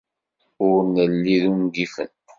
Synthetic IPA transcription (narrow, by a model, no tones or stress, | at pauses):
ʊɾnəlːiðumɡifə̰n